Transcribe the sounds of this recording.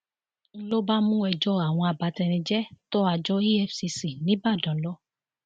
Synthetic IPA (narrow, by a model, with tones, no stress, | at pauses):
n̩˦lo˦ba˦mũ˦ɛ˧d͡ʒɔ˦a˨w̃ɔ̃˧a˨ba˨˧˦tɛ˧ɾ̃ĩ˧d͡ʒɛ˦to˦a˧d͡ʒɔ˦i˦ɛ˧fsi˧si˨nĩ˨˦ba˦˨dɔ̃˨˦lɔ˦